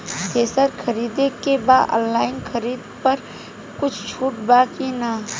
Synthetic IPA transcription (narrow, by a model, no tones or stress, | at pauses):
t̪ʰeːsəɾxʰɐɾiːd̪ekebaːdɔ̰̃ːnːaːɪnxʰɐɾiːd̪pɐɾ | kʊt͡ʃʰt͡ʃʰuːʈbaːkinaː